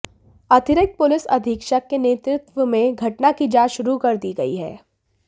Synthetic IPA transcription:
ɐd̪ʱɪɾɪk̚t̪̚pʊlɪsɐ̰d̪ʱɪkʃəkːeneːt̪ɾɪt̪ʋəmẽɡʱɐʈnakid͡ʒaːʃʊɾukɐɾd̪iːɡɐḭɦɛ̰ː

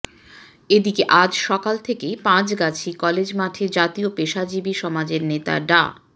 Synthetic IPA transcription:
ed̪ikeʔad͡ʑʃɔkalt̪ʰekejpãt͡ɕɡat͡ɕʰikɔled͡ʑmaʈʰed͡ʑat̪iopeʃad͡ʑibiʃɔmad͡ʑeɾnet̪a̰ɖa̰

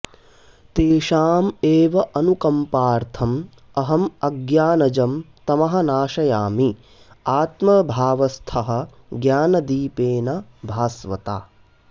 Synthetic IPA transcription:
t̪eːʃaːmeːʋɐʔɐnukɐmpaːɾt̪ʰɐm | ɐɦɐmɐɡjaːnɐd͡ʒɐmt̪ɐmɐɦɐ̆naːʃɐjaːmi | aːt̪mɐbʱaːʋɐst̪ʰɐɦɐ̆ | ɡjaːnɐd̪iːpeːnɐbʱaːsʋɐt̪a̰ː

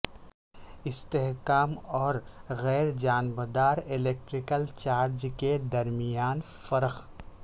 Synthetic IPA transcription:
ɪst̪eɦkaːmɔːɾɣɛːɾd͡ʒaːnbəd̪aːɾɪleːk̚ʈɾɪkəlt͡ʃaːɾd͡ʒked̪ɐɾmijaːn | fɐɾəx

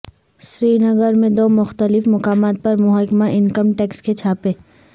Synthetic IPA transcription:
sɾiːnəɡəɾmẽd̪oːmʊxt̪əlɪfmʊkaːmaːt̪̚pɐɾmʊɦaːkmaʔɪnkəmʈɛːksket͡ʃʰaːpẽː

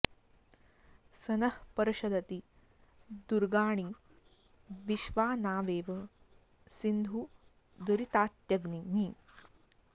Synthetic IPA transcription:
sɐnɐhpɐɾɐɕɐd̪ɐt̪i | d̪uɾɡaːɳ̃i | ʋiʃʋaːnaːʋeːʋɐ | sind̪ʱuː | d̪uɾit̪aːt̪jɐɡniɦi

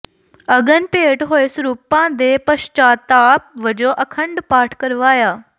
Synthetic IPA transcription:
ɐɠənpeːʈɦoːesɾuːpãːd̪eːpɐʃt͡ʃaːt̪aːpʋɐd͡ʒoʔɐkʰə̃ɳɖpaːʈʰkɐɾʋaːjaː

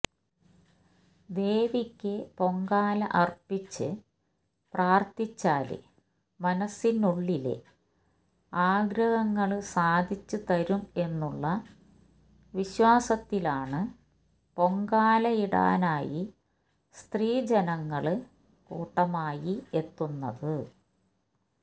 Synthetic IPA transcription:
d̪e̞ːʋikʲːɨpo̞ŋɡaːlɐ̰ʔɐrpit͡ɕːɨ | praːrt̪it͡ɕːaːlɨ̰ | mɐnɐsːinuɭːilḛ | aːɡɾɐɣɐŋːɐɭsaːd̪ʱit͡ɕːɨt̪ɐɾume̞nːuɭːɐ | ʋiɕwaːsɐt̪ːilaːɳɨ | po̞ŋɡaːlɐiɽa̰ːnaːji | st̪riːd͡ʑɐnɐŋːɐɭ | kṵːʈːɐmaːjie̞t̪ːunːɐ̰ðɨ

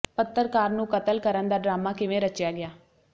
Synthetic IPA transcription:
pət̪ːəɾkaːɾnũːkət̪əlkəɾənd̪aːɖɾaːmaːkɪʋẽːɾət͡ʃjaːɡɪaː

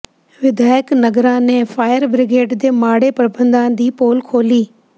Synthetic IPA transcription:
ʋɪd̪aːjəknɐɡɾãːnɛ̃faːjəɾbɾɪɡeːʈd̪eːmaːɽepɐɾbə̃nd̪ãːd̪iːpoːlkʰoːliː

